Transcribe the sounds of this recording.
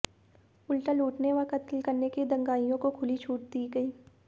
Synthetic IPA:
ʊlʈəluːʈneʋakɐt̪lkɐɾneked̪ɐ̃ŋɡaːijõkokʰʊlit͡ʃʰuːʈ̚d̪iːɡɐiː

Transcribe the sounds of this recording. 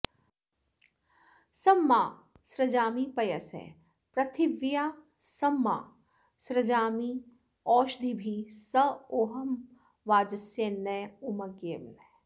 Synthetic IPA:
sɐmːaː | sɾɐd͡ʒaːmipɐjɐsɛ̰ | pɾɐt̪ʰiʋjaː | sɐmːa̰ː | sɾɐd͡ʒaːmi | ɔːʃd̪ʱibʱisɐoːɦɐm | ʋaːd͡ʒɐsjɐnːeːumɐɡeːmnɛ

